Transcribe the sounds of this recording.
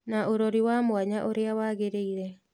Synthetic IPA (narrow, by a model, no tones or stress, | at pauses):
naʔoɾoɾiwamoaɲaʔoɾeawaːɣeɾeiɾɛ